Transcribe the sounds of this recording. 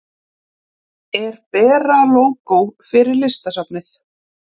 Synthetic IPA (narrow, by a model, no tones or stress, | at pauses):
ɛɾpɛːɾaːlowkowfɪɾɪɾlɪst̪asapnɪθ